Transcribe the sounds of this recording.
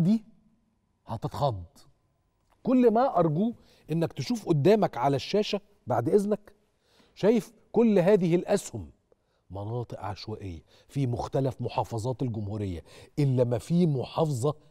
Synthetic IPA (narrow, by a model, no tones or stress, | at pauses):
d̪i | hæt̪et̪xɑd̪ˤː | kolːmæʔɑɾˤɡuː | ʔenːækt̪eʃuːfʔod̪ːæːmækʕalæʃːæːʃæ | baʕd̪ʔeznæk | ʃæːjef | kolːɦæːðɪhɪlʔæshʊmː | ɑnɑːt̪ˤɨʔʕa̰ʃwæːʔejːæ | fimʊxt̪ælæfmoħɑːfɑzˤɑːt̪elɡʊmhuːɾejːæ̰ʔelːæmæfiːmoħɑːfzˤɑ